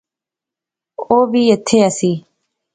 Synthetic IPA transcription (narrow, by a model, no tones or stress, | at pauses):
oːbʱiːet̪ʰeːəsiː